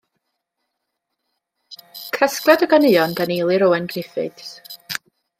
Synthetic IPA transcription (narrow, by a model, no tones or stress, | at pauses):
kʰəskrɛdɔɡanɨjɔndanejlˠɨɾɔwɛnɡrɪfɨ̰d̥